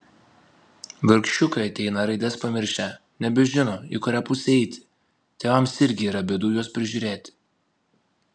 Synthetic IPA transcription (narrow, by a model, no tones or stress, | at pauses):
ʋʲɪɾʲkʃʲt͡ʃʲʊkɐɪɐt̪ʲɛɪnɐɾɐɪd̪ʲɛspɐmʲɪɾʲʃʲæ | nʲɛbʲɛʒʲɪnoḭkʊɾʲæːpʊsʲɛɛɪt̪ʲɪ̥ | t̪ʲeːʋɐmsɪɾʲɡʲɪiːɾɐbʲɛd̪uːjuɔspʲɾʲɪʒʲuːɾʲeːt̪ʲ